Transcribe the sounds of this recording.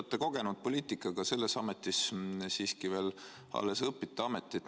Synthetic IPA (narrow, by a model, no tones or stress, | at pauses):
t̪ːˑeko̞ɡ̥e̞nud̪̥̚po̞lʲiːt̪ˑikːˑɑɡɑse̞lːesɑmet̪ːˑissiːskive̞ːl | ɑ̰lːesɤpːit̪ːˑeɑme̞t̪ːˑit̪